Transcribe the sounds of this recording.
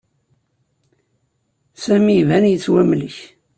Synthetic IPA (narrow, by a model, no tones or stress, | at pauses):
sæmivænjət͡sːwæmliç